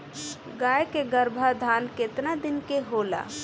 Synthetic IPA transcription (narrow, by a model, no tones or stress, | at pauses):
ɡajkeɡəɾbʱad̪ʱanket̪nad̪inkeɦola̰